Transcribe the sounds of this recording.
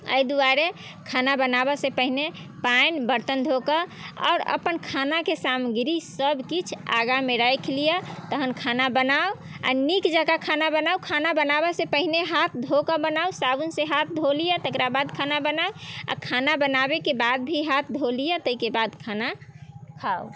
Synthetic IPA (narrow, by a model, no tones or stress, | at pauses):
ə̰jd̪uaɾe | kʰanabənabəsepəɦine | paɪnbəɾt̪ənd̪ʱokəɔ̰ʊɾə̰pənkʰanakesamɡɾisəbkit͡ʃʰa̰ɡameɾəjkʰlijət̪əɦənkʰanabənao | a̰nikd͡ʒakakʰanabənaukʰanabənabəsepəɦineɦat̪ʰd̪ʱokəbənausabunseɦat̪̚ʰd̪ʱolijət̪əkɾabad̪kʰanabənaoa̰kʰanabənabekebad̪̚bʱiɦat̪̚ʰd̪ʱolijət̪əikebad̪kʰanakʰao